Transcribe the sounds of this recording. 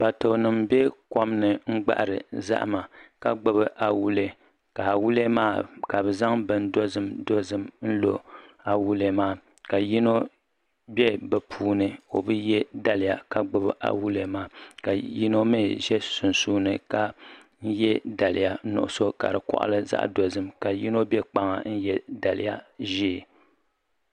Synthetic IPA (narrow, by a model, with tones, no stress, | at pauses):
ba˨to˨nɨ˨mbɛ˦kɔ˦mnɨ˨ŋ͡m̩˦ɡ͡ba̰˦ʔa̰˨ɾɨ̰˨za̰˦ʔma˨ka˦ɡ͡bɨ˦bɨ˦ʔa˨wu˦le˨ | ka˨wu˦le˦maː˦˨ka˨bɨ˨za˦ŋbɨ˨n˦do˦zɨ˦mdo˦zɨ˦mn̩˦lo˨a˨wu˦le˦maː˦ | ka˨ji˦no˦ | bɛ˦bɛ˨pʰuː˦nɨ˨o̰˨bɨ˦jɛ˦da˦lɪ˨ja˨ka˦ɡ͡bɨ˦bʔa̰˨wu˦le˨maː˦ka˨ji˦no˦mɨ˦ʒɛ˦sʊ˨n˨suː˦nɨ˨ka˦ | n̩˦jɛ˦da˨lɪ˨ja˦nʊ̰˨ʔʊ̰˦so˦ka̰˨ɾɨ˨kɔ̰˨ʔa̰˦lɨ˦za̰˦ʔdo˨zɨ˦˨mka˨ji˦no˦bɛ˦k͡pa˦ŋa̰˨n̩˦jɛ˦da˨lɪ̰˦ja˦ʒiː˦˨